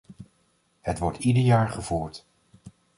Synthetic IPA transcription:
hətʋɔɹtidəɹjaːɹχəvuːɹt

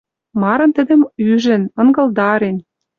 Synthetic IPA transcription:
mɑɾɤ̆nt̪ə̆d̪ə̆myʒɘ̆nɤ̆ŋɡɤ̆ld̪ɑɾen

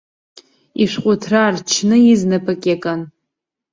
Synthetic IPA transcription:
iʂʷqʷʼʊtʰrart͡ʃʰnɨiznɨpʰakʲʼekʼan

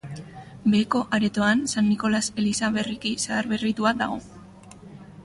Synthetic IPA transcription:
be̞ːko̞ʔaɾe̞t̪o̞ansanːiko̞lase̞lisaβe̞rikisaːɾβe̞rit̪uaða̰ɣ̞o̞̰

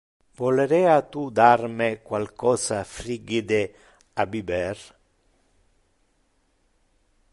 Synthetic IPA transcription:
vɔleɾɛat̪ud̪armɪkwalkɔːsafɾiɡid̪e | abibɛr

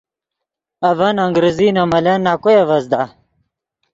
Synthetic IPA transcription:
ɐvɐnɐŋɡɾeziːnɐmɐlenːakojɐvɐzd̪a

